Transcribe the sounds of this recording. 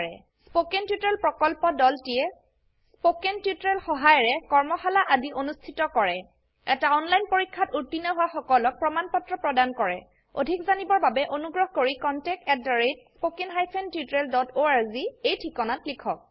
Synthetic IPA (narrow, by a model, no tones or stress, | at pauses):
ɹɛ̰ | spokentitɹelpɹɔkɔlpɔdɔltijɛ | spokentiutɹelxɔɦajɔɹɛkɔɹmɔxalaʔadiʔonustʰitɔkɔɹɛ | ɛtaɔnlajnpoɹikʰːatuɹtinɔɦʊwaxɔkɔlɔk̚pɹɔmanpɔtɹɔpɹɔdankɔɹɛ̰ | o̰dʱikzanibɔɹbabɛʔonuɡɹɔɦkoɹikɔntɛk̚tɛɹetspokenɦajpʰentiutɹeldɔtoaɹziejtʰikɔnatlikʰɔk̚